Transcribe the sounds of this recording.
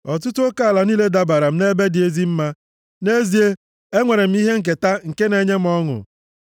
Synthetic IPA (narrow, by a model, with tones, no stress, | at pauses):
ɔ˨t̬ʊ˦tʊ˦o˦ka˦˨la˨niː˦le˦da˦ba˨ɾa˨m̩˦ne˦be˦dɪ˨e˦zi˦m̩˦ma˦ | ne˦zi˦e˦ | e˦ŋʷe˨ɾe˨m̩˦i˦ɦe˦ŋ̩˨k̬e˨ta˦ŋ̩˨ke˦ne˦ɲe˦m̩˨˦ɔ˦ŋʊ̰˨